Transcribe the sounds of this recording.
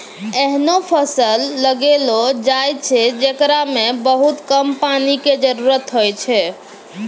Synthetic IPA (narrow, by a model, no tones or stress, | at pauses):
eɦnopʰəsəlːəɡelod͡ʒajt͡ʃʰɛd͡ʒekɾamebəɦut̪kəmpaniked͡ʒəɾuɾət̪ɦojt͡ʃʰɛ